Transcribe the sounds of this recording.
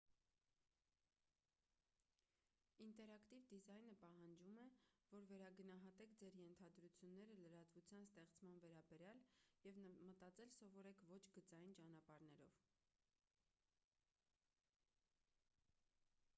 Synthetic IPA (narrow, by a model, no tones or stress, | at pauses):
int̪ɛɾɑkt̪ivd̪izɑjnəpɑɦɑnd͡ʒumɛvɔɾvɛɾɑɡənɑɦɑt̪ɛk̚ʰd͡zɛɾjɛnt̪ʰɑd̪ɾut͡sʰjunːɛɾələɾɑt̪vut͡sʰjɑnst̪ɛχt͡smɑnvɛɾɑbɛɾjɑljɛvmət̪ɑt͡sɛlsɔvɔɾɛkʰvɔt͡ʃʰɡət͡sɑjint͡ʃɑnɑpɑɾn̪ɛɾɔv